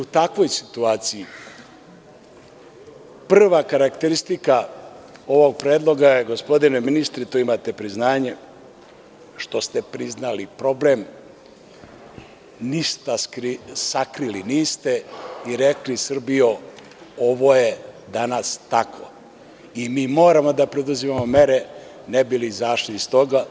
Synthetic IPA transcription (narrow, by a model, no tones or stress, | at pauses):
ut̪akʋo̞jsi̥t̪uaːt̪siji | pr̩ʋakaɾakt̪eɾist̪ika | o̞ʋo̞ɡ̚pɾeːd̪lˠo̞ɡajeɡospo̞d̪ineminist̪ɾit̪uimaːt̪e̞pɾiznaːɲe | ʃt̪o̞st̪e̞pɾiznalipɾo̞blem | nist̪askɾisakɾiliniːst̪eiɾeklisr̩bijo | oʋo̞je̞d̪anast̪akʋo̰ | imiːmo̞ːɾamo̞d̪apɾe̞d̪uzimamo̞meɾe | nebilizaːʃniist̪o̞ɡa